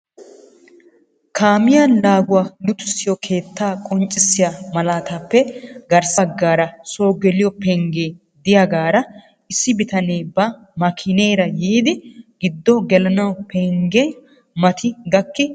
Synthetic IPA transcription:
kaːmɪjanlaːɡʊwaːnʊt̪ʊ̥sːɪjɔkʰe̞ːt̪ːaːkʼɔnt͡ʃʼːɪsːɪjamɐlaːt̪aːpːɛɡɐɾsɐɡːaːɾɐso̞ːɡɛlɪjɔpɛŋɡeː | d̪ɪjɐɡaːɾɐ | ɪsːɪbɪt̪ɐneːbɐ | mɐkʰɪne̞ːɾɐjiːd̪ɪɡ̥ɪd̪ːɔɡɛlɐnɐwpʰɛŋɡe | mɐt̪ʰɪɡɐkːɪ

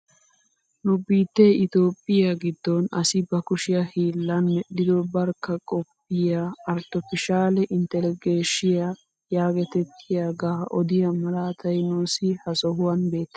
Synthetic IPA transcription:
nʊbiːt̪ːeːʔɪt̪oːpʼːɪjaɡɪd̪ːɔnɐsɪbɐkʊʃɪjɐhiːlːɐnmɛɗɪd̪ɔbɐɾkːɐkʼɔpːɪjaɐɾt̪ɔfɪʃaːlɛʔɪnt̪ɛlɪɡeːʃɪja | jaːɡɛt̪ɛt̪ʰːɪjaːɡaːʔɔd̪ɪjɐmɐlaːt̪ʰɐjnoːsɪhɐsɔhʊwɐnbe̞ːt̪ːɛ̥

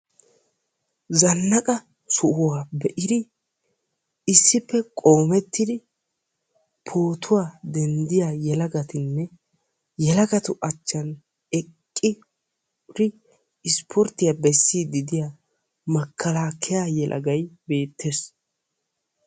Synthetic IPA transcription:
zɐnːɐkʼɐ | sʊʔʊwaːbɛʔɪd̪ɪ | ɪsːɪpːɛkʼo̞ːmɛt̪ːɪd̪ɪ | pʰoːt̪ʰʊwaːd̪ɛnd̪ɪjaːjɛlɐɡɐt̪ɪnːɛ | jɛlɐɡɐt̪ʊʔɐt͡ʃːɐn | ɛkʼːɪ | ɾɪ | ɪspʰɔɾt̪ɪjabɛsːiːd̪ɪd̪ɪja | mɐkʰːɐlaːkʰɛjajɛlʔɐ̰ɡɐjbe̞ːt̪ʰːes

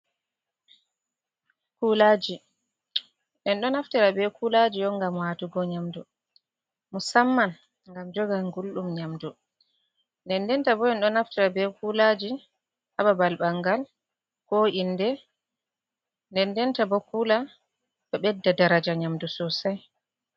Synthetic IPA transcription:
kulaːd͡ʒi | ʔɛnɗɔnaftiɾabɛkulad͡ʒiɔŋɡamwatuɡɔɲamdu | musamːan | ŋɡamd͡ʒɔɡaŋɡulɗumɲamdu | ndɛndɛntabɔɛnɗɔnaftiɾabɛkulad͡ʒi | hababalbaŋɡal | kɔindɛ | ndɛndɛntabɔkuːla | ɓɛɓɛdːadaɾad͡ʒaɲamdusɔsaj

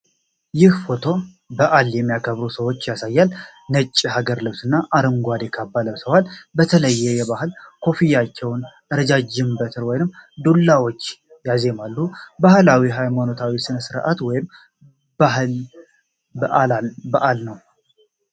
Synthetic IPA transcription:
jɪhfo̞t̪ʰo̞ | bəʔaljɛmːijakʰəβɾusəwo̞t͡ʃːjasajːal | nət͡ʃʼːiɦaɡəɾlɨβsɨnːaʔaɾəŋɡʷad̪ekʰabːaləβsəwalbət̪ʰələjːɛjɛβaɦɨlkʰo̞fijat͡ʃːɛwnʔɨɾd͡ʒad͡ʒɪmbət̪ʰɨɾwɔjnɨmːd̪ulːawo̞t͡ʃː | jaze̞malːubahɨlawiɦajmano̞t̪ʰawisɨnəsɨɾʔa̰t̪wɔjɪm | b̥aɦɨl | bəʔalabəʔalnəw

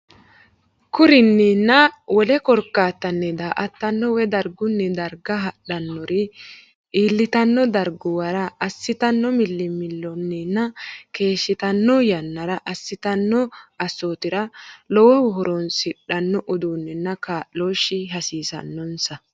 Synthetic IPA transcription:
kʊɾɪnːɛnːɐwɔlɛkɔɾkːaːt̪ːɐnːɛd̪aːʔɐt̪ːɐnːɔwɛd̪ɐɾɡʊnːɛd̪ɐɾɡɐɦɐɗɐnːɔɾɪ | iːlːɪt̪ɐnːɔd̪ɐɾɡʊwɐɾɐɐsːɪt̪ɐnːɔmɪlːɪmɪlːɔnːɛnːɐke̞ːʃːɪt̪ɐnːɔjɐnːɐɾɐʔɐsːɪt̪ɐnːɔɐsːoːt̪ɪɾɐlɔwɔwɔɦɔɾɔnsɪɗɐnːɔʔɔd̪uːnːɛnːɐkaːʔloːʃːɪɦɐsiːsɐ̰nːɔnsɐ

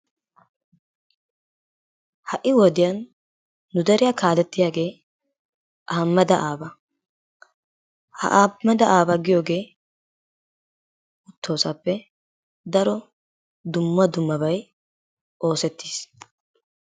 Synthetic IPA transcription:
hɐʔːɪwɔd̪ɪjɐnː | ʊd̪ɐɾɪjakaːlɛt̪ːɪjaːɡe̞ː | ʔaːmːɐd̪ɐʔaːbɐ | hɐ̰ʔaːmɛd̪ɐʔaːbɐɡɪjoːɡe̞ː | ʊt̪ʰːo̞ːsapːɛ | d̪ɐɾɔ | d̪ʊmːɐd̪ʊmːɐbɐj | ʔo̞ːsɛt̪ːi̥ːs

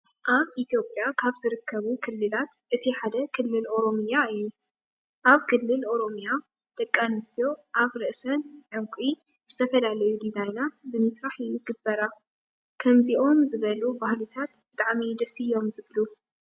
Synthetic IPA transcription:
ʔaβʔit̪jopʼjakʰaβzɨɾɨkːɐβukʰɨlːɨlat̪ʔɨt̪ʰiħad̪ɐkʰɨlːɨlʔo̞ɾo̞mjaɨjːu | ʔaβkʰɨlːɨlʔo̞ɾo̞mija | d̪̥ɐkʼːanɨst̪ʰijo̞ʔaβɾɨʔsɐnʕamkʷʼi | b̥ɨst̪ʰɐfɐlalɐjud̪izajnat̪bɨmɨsɾaħjɪɡɨbːɐɾa | kʰɐmziʔo̞mzɨβɐlubahlit̪ʰat̪bɨt̪ʼaʕmid̪ɐsijo̞mzɨβlu

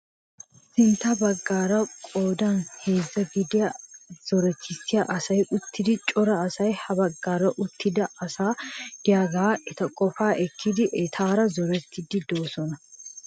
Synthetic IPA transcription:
sɪnt̪ːɐbɐɡːaːɾɐkʼo̞ːd̪ɐnhe̞ːzːɐɡɪd̪ɪjɐz̥ɔɾɛt̪ːɪsːɪjaʔɐsɐjʔʊt̪ʰːɪd̪ɪt͡ʃʼɔɾɐːsɐjhɐbɐɡːaːɾɐʔʊt̪ːɪd̪ɐɐsaːd̪̥ɪjaːɡaːɛt̪ɐkʼɔfaːʔɛkʰːɪd̪ɪʔɛt̪ʰaːɾɐzɔɾɛt̪ʰːɪd̪ɪd̪o̞ːsɔnɐ

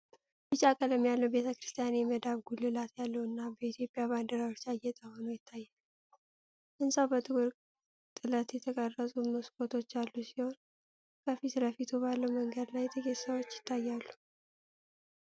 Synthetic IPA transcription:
bɨt͡ʃʼːakʼələmjalːəwbe̞t̪ʰəkɨɾɨst̪ʰijanjɛməd̪aβɡulːɨlat̪jalːəwɨnːabəit̪ʰjo̞pʼjaβand̪əɾawo̞t͡ʃːajɛt̪ʼəho̞nojɪt̪ʰːajːa | ʔɨnsawbət̪ʼɨkʼuɾ | t̪ʼɨlət̪jɛt̪ʰəkʼərːəsʼumoskʰʼot̪ʰo̞t͡ʃːalːusiho̞n | kʰəfisɨləfit̪ʰubalːəwməŋɡəd̪lajt̪ʰəɡessəwo̞t͡ʃːjɪ̥t̪ʰːajːalːu

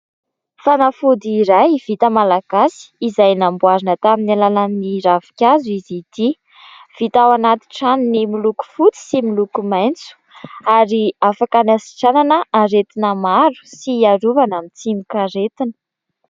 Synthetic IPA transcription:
fanafud̪iiɾajv̥it̪əmalaɡ̥asi̥ːzajnambuaɾinət̪aminalalanniɾavi̥kʲazuizit̪i | v̥it̪awanat̪i̥ʈ͡ʂaninimiluku̥fut͡si̥similukumajnt͡su̥ | aɾiafakanasi̥ʈ͡ʂananəaɾet̪inəmaɾu̥siaɾuvanamit͡simikaɾet̪inə̥

